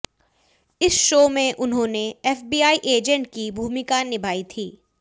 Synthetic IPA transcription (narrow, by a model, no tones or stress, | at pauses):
ɪsʃoːmẽʔʊnɦõːneɛːfbiːaːiʔeːd͡ʒə̃ɳʈ̚kibʱuːmɪkaːnɪbʱaːit̪ʰiː